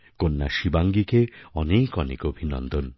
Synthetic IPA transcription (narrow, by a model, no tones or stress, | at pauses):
konːa̰ʃibaŋɡikeɔnekɔnḛkobʱinɔ̰nd̪ɔn